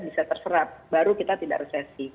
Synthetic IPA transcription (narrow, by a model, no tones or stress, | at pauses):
bisat̪ərsəɾap̚baɾukit̪at̪ida̰ʔresasi